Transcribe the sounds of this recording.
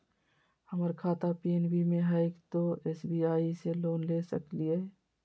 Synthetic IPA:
həməɾkʰaːt̪apienbimẽɦɛɪkt̪oeːsbiaːiseloːnlesəklie

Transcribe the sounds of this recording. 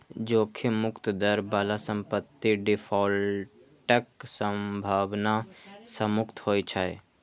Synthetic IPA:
d͡ʒoːkʰemʊkt̪d̪əɾbaːlasəmpət̪ːiɖipʰaːl | ʈəksəmbʱaːbnasəmʊkt̪ɦoːjt͡ʃʰəe

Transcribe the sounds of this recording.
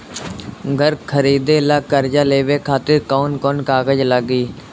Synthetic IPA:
ɡʱəɾkʰəɾiːd̪eːlaːkəɾd͡ʒaːleːʋeːkʰaːt̪ɪɾkaːnkɔːnkaːɡəd͡ʒləɡiː

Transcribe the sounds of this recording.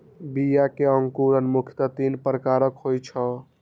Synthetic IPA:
bijakeəŋkuɾənmukʰt̪ət̪inpɾəkaɾəkɦojt͡ʃʰə

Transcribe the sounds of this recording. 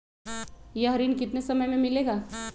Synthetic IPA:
jaɦɐɾiːnkɪt̪nesɐməjmẽmɪleːɡaː

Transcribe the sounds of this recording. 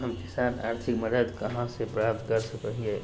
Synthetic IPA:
ɦəmkɪsaːna̰ːɾt̪ʰɪkməd̪əd̪kɐɦãsepɾap̚t̪kəɾsəkəɦie

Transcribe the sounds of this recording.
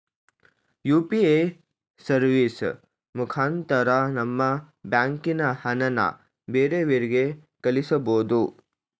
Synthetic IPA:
juːpie | sɐɾʋis | mukʰaːnt̪ɐɾɐnɐmːɐ | baːŋkinɐhɐnɐna̰ | beːɾeʋeːɾiɡe | kɐlisɐboːd̪u

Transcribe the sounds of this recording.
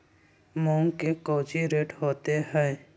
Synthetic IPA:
mɔ̃ːŋkekɔːt͡ʃiɾeːʈhoːt̪eɦɛː

